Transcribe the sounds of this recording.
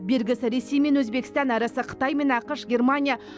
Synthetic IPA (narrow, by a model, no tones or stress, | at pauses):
be̞lɡʲɪsɪɾe̞se̞jme̞nwɵzbe̞kʲɪ̥st̪ɑnɑɾɑsəqʰə̥t̪ɑjme̞nɑqəʃɡʲe̞rmanʲija